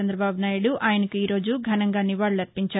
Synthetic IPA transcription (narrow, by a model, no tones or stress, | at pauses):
ɐnd̪ɾɐbaːbunaːjiɽuʔʔaːjɐnɐkuiːɾo̞ːd͡ʒuɡʱɐnɐŋɡaːnːiʋaːɭːulɐɾpiɲt͡ʃaː